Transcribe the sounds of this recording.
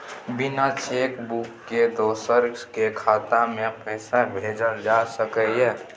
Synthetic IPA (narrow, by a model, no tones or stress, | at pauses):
binat͡ʃekbukːed̪osəɾkekʰat̪amepəɦsabʱed͡ʒəɾd͡ʒasəkəjɛ